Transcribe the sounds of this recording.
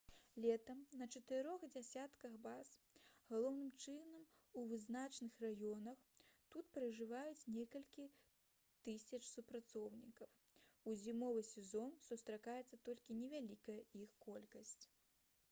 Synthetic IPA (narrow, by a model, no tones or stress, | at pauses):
lʲɛt̪ɐmnɐt͡ʂɐt̪ɨɾɔxd͡zʲasʲat̪kɐxbas | ɣalˠɔwnɨmt͡ʂɨnɐm | uvɨznat͡ʂnɨxrajɔnɐxt̪ut̪pɾɐʐɨvajut͡sʲnʲɛkɐlʲkʲi | t̪ɨsʲɐt͡ʂsupɾat̪sɔwnʲikɐw | uzʲimɔvɨsʲɛzɔnsust̪ɾakajɛt̪sːɐt̪ɔlʲkʲinʲɛvʲalʲikɐjɐixkɔlʲkɐsʲt͡sʲ